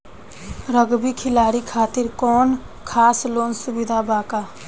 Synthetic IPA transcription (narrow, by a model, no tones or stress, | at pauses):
ɾəɡbikʰɪlaːɾikʰaːt̪ɪɾkɔːnkʰaːsloːnsʊbɪd̪ʱabaːkaː